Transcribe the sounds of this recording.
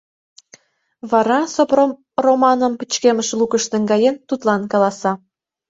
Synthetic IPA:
βɑɾɑsop | romɑnɤ̆mpɘ̥̆t͡ɕkemə̆ʃlˠukə̆ʃt̪ɘ̆ŋɡɑjent̪ut̪lˠɑnkɑlˠɑsɑ

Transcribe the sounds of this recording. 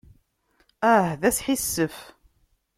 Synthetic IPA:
æhðæsħisːəf

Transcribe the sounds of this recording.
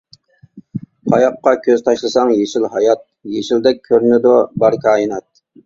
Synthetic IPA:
qʰɑjɑqːɑkʲʰøzt̪ʰɑʃlˠɨsɑŋjeʃɪlɦɑjɑt̪̚jeʃɪld̪ɛk̚ʲʰːøɾnɪd̪ʊbɑɾkʲʰɑːjinɑt̪̚

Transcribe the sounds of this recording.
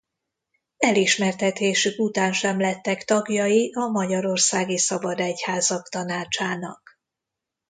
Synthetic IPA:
ɛliʃmɛrt̪ɛt̪eːʃykut̪aːnʃɛmlɛt̪ːɛkt̪ɒɡjɒjiʔɒmɒɟɒɾo̞rsaːɡisɒbɒd̪ɛchaːzɒkt̪ɒnaːt͡ʃaːnɒ̰k

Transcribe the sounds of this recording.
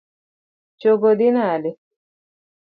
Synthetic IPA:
t͡ʃoɡod̪inali

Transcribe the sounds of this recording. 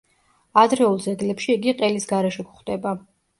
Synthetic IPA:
ad̪ɾɛulˠd̪zɛɡlɛpʃiːɡiqʼɛlisɡaɾɛʃɛkχd̪ɛba

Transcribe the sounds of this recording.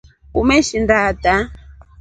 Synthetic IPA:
umeʃindat̪a

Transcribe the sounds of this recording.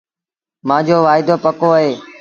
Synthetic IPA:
mãːd͡ʑoːʋaːɪd̪oːpəkoːəɦeː

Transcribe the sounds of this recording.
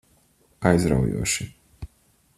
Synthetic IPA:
ajzɾa̰wjṵɔʃi

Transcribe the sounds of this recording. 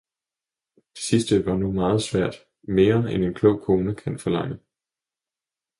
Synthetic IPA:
d̥e̥sisd̥əʋɑ̈numɑ̈ːð̞̩ˠsʋæɐ̰d̥ | me̝ːɐene̝nkʰlɔ̽ʊ̰kʰo̝ːnəkʰænfɒ̽lɑ̈ŋ̰ə

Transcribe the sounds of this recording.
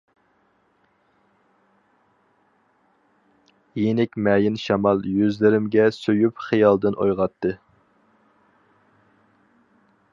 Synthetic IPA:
jenɪkʲmɛːjɪnʃɑmɑlˠjyzlɪɾɪmɡʲɛsøjypχijɑlˠd̪ɨnʔo̰jʁɑt̪ʰːɨ

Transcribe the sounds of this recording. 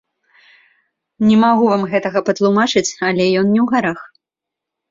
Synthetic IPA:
nʲɛmaɣuvamɣɛt̪ɐɣɐpɐt̪lˠumat͡ʂɨt͡sʲɐlʲɛjɔnnʲɛwɣaɾax

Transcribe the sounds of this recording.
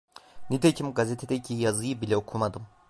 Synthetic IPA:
nit̪ʰecʰimɡazʲet̪ʰed̪ɛcʰijazɯjɯbilʲɛokʰumad̪ɯm

